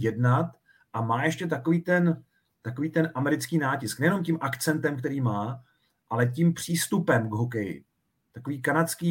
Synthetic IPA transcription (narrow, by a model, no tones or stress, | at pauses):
jɛdnat̪ | ʔamaːjɛʃcɛt̪ako̞viːt̪ɛn | t̪akoviːt̪ɛnʔamɛɾɪt͡skiːnaːcɪsknɛjɛno̞mcimʔakt͡sɛnt̪ɛmkt̪ɛɾiːmaː | ʔalɛcimpr̝̥iːst̪upɛmɡɦok̬ɛjɪ̰ | t̪akoviːkanat͡skiː